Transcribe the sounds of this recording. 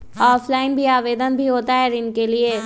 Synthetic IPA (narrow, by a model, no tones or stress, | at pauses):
ɔːfʰlaːɪnbʱiaːʋeːd̪ənbʱiɦoːt̪aɦɛɾɪnkelie